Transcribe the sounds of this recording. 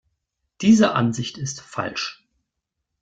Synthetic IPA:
d̥iːzəʔa̰nzɪçtɪstfa̰lʃ

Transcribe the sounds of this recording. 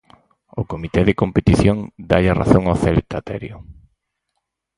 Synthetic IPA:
ʊkomit̪ɛðekompet̪iθjoŋd̪aʎara̰θoŋawθɛlt̪ʰat̪ɛ̰ɾjʊ

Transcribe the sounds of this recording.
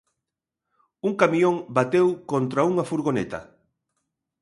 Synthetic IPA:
uŋkamiõŋbat̪ewkont̪ɾauŋafuɾɣonḛt̪ɐ̰

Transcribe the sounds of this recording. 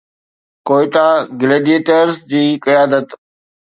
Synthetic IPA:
koːɪʈ̪ãɡɪleːɖijeːʈəɾzd͡ʑiːkəjaːd̪ət̪

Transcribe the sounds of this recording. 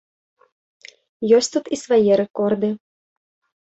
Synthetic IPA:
jɔsʲt̪ut̪isvajiɾɛkɔrd̪ɨ

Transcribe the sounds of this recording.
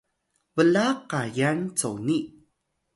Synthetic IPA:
vəlaqajant͡sowni

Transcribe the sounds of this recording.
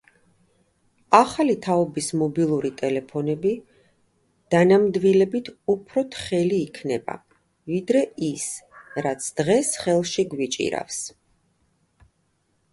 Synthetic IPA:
aχalit̪ʰaɔbismɔbilˠuɾit̪ʼɛlɛpʰɔnɛbi | d̪̥anamd̪vilɛbit̪ʰupʰɾɔt̪ʰχɛliːkʰnɛba̰ | vid̪ɾɛisɾat̪sʰd̪̥ʁɛsχɛlˠʃiɡwit͡ʃʼḭɾa̰fs

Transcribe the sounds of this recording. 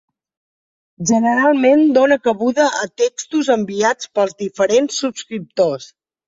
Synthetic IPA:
ʒənəɾalˠmend̪onəkəβuðəʔət̪ekst̪uzəmbiat͡spəlˠzðifəɾensːupskɾip̚t̪os

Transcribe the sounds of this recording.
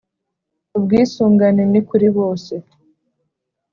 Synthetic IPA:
ub̚ɡiːsuːŋɡanenikuɾiβo̞ːse̞

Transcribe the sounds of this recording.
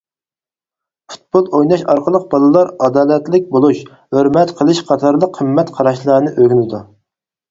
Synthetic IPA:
fu̥t̪̚bolˠojnɑʃɑɾqʰəlˠəq̚bɑlˠɨlˠɑɾɑd̪ɑːlɛt̪lɪk̚ʲbolˠuʃ | høɾmɛt̪qʰəlˠɨʃqʰɑt̪ʰɑɾlˠəqʰːəmːɛt̪qʰɑɾɑʃlˠəɾnɨʔøɡʲynɪd̪u

